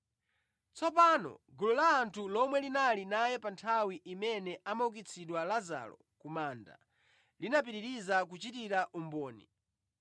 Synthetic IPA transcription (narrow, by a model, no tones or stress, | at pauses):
t͡sɔpaːnɔ̰ɡulɔlaːntʰulɔmwɛlinalinajɛpantʰawiʔimɛnɛʔamauk̬it͡sʰiɗwalaza̰lɔ̰ | kumaːnda̰ | linap̬iɾiɾizakut͡ʃitiɾaʔumbɔːnḭ